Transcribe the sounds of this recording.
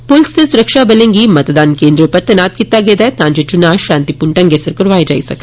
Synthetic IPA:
pʊlsnesʊɾəkʃabɐlẽːŋɡimɐt̪d̪aːnkeːnd̪ɾõpɐɾt̪ɐnaːt̪̚kit̪ːaɡeːd̪aɛt̪ãːɲd͡ʒet͡ʃʊnaːʃãːnt̪ipʊɳʈɐ̃ŋɡesəɾkɐɾʋaːed͡ʒa̰ːḭsɐk̪

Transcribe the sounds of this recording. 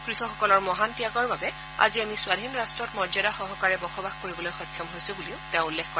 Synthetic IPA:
kɹixɔxɔkɔlɔɹmɔɦantijaɡɔɹbabɛ | a̰ziamisʊadʱinɹastɹɔtmɔɹzadaxɔɦɔkaɹɛbɔxɔbaxkoɹibɔlojxɔjkʰjɔmɦojsubuliʊtɛʊ̃ulːexkɔ

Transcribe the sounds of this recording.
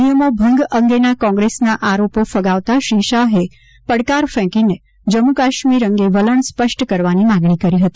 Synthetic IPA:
nijəmobʱə̃ŋɡəŋɡenakɔ̃ŋɡɾesnaʔaɾopofəɡaʋt̪aʃiʃaɦe | pəɽkaɾfɛ̃kine | d͡ʒəmukaʃmiɾəŋɡeʋələɳspəʃʈkəɾʋanimaɡɳ̃ikəɾiɦət̪i

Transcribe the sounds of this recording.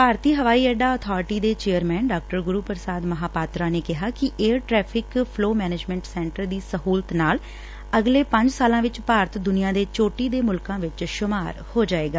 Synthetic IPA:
paːɾt̪iːɦəʋaːiːɛːɖaːɔːt̪ʰɔːɾɪʈiːd̪eːt͡ʃeːəɾmɛ̃ːnɖaːk̚ʈəɾɡʊɾuːpəɾsaːd̪məɦaːpaːt̪ɾaːneːkɪɦaːkɪʔeːɾʈɾɛːpʰɪkpʰloːmɛːned͡ʒmɛ̃ɳʈsɛ̃ːɳʈəɾd̪iːsəɦuːlt̪naːl | əɡleːpə̃ɲd͡ʒsaːlãːʋɪt͡ʃpaːɾət̪d̪ʊnijãːd̪eːt͡ʃoːʈiːd̪eːmʊlkãːʋɪt͡ʃʃʊmaːɾhoːd͡ʒaːeːɡaː

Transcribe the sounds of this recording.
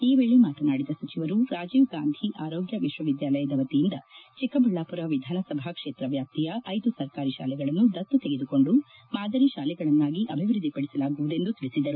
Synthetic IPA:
iːʋeːɭemaːtɐnaːɽid̪ɐsɐt͡ʃiʋɐɾuɾaːd͡ʒiːʋɡaːnd̪ʱiʔaːɾoːɡjɐʋiʃʋɐʋid̪jaːlɐjɐd̪ɛʋɐt̪ijind̪ɐt͡ʃikɐbɐɭːaːpuɾɐʋid̪ʱaːnɐsɐbʱakʂe̞ːt̪ɾɐʋjaːp̚t̪ijɐʔɐjd̪usɐɾkaːɾiʃa̰ːlɛɡɐɭɐnːud̪ɐt̪ːut̪eɡed̪uko̞ɳɖu | maːd̪ʱɐɾiʃaːlɛɡɐɭɐnːaːɡiʔɐbʱiʋɾɨd̪ʱːipɐɽisɐlaːɡuʋud̪e̞nd̪ut̪iɭisid̪ɐɾu

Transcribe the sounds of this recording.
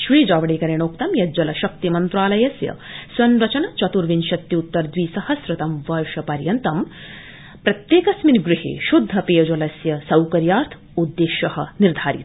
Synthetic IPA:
ʃɾiːd͡ʒɐːʋɐɽeːkɐɾeɳ̃oːkt̪ɐmjɐd͡ʒɐlɐʃɐk̚t̪imɐnt̪ɾaːlɐjɐsjɐ̰sʋɐnɾɐt͡ʃɐɳɐt͡ʃɐt̪uɾʋinʃɐt̪jiut̪ːɐɾd̪ʋiːsɐhɐsɾɪt̪ɐmʋɐɾʃɐpɐɾjɐnt̪ɐm | pɾɐt̪jeːkɐsminɡɾɪɦḛːʃud̪ʱːɐpeːɐd͡ʒolɐsjɐsɐwkɐɾjaːɾt̪ʰ | ud̪ːeːʃɐhɐ̆niɾd̪ʱaːɾḭt̪

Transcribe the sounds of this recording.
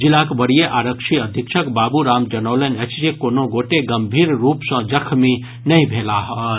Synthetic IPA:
d͡ʒilakbəɽijeʔaɾəkʃʰiəd̪ʱikʃʰəkbaːbuɾaːmd͡ʒənəʊlənət͡ʃd͡ʒekoːnoɡoʈeɡəmbʱiːɾɾuːpsə̃d͡ʒəkʰmi | nəĩbʱelaɦɔ

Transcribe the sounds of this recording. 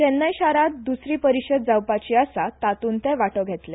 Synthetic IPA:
tɛnːəjɕaɾat̪̚d̪usɾiːpəɾiɕəd̪̚d͡zawpat͡ɕiːasat̪at̪uːnt̪ɛʋaʈəɡʱɛt̪le

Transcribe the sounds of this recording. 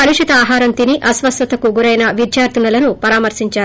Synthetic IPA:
ɐɾiʂit̪ɐaːɦaːɾɐnt̪iniʔɐsʋɐst̪ɐt̪ɐkuɡuɾɐjnɐʋid̪jaːɾt̪unɐlɐnupɐɾaːmɐɾsiɲt͡ʃaːɾ

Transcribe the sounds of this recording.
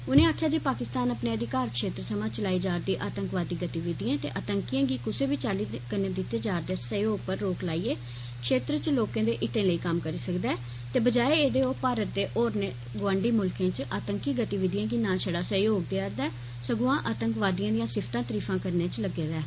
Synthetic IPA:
ʊnẽːaːkʰjaːd͡ʒeːpaːkɪst̪aːnəpneːəd̪ɪkaːɾkʃeːt̪ɾət̪ʰəmãːt͡ʃəlaːiːd͡ʒaːɾd̪iːʔaːt̪əŋkʋaːd̪iːɡət̪iːʋɪd̪ijãːt̪ḛːʔət̪əŋkijãːɡiːkʊseːbiːt͡ʃaːliːkəɾnẽːd̪ɪt̪ːeːd͡ʒaːɾd̪eːsəjoːɡ̚pəɾːoːklaːiːeː | kʃeːt̪ɾət͡ʃloːkãːd̪eːʔɪt̪ẽːləiːkəmkəɾiːsəkd̪ɛː | t̪eːbəd͡ʒaːeːeːd̪eːoːpaːɾət̪̚d̪eːʔoːɾneː | ɡʋãːɳɖiːmʊlkẽːt͡ʃʔaːt̪əŋkiːɡət̪iːʋɪd̪ijãːɡiːnãːʃʰəɽaːsəjoːɡ̚d̪eaːɾd̪ɛː | səɡuãːʔaːt̪əŋkʋaːd̪ijãːd̪ɪjãːsɪpʰt̪ãːt̪əɾiːfʰãːkəɾnẽːt͡ʃləɡeːd̪ɛː

